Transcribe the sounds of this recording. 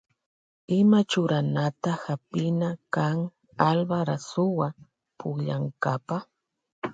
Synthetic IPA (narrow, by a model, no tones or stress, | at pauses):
ɪmat͡ʃʊɾanat̪ahapɪnakaŋ | albaɾasʊwa | pʊkʎaŋkapa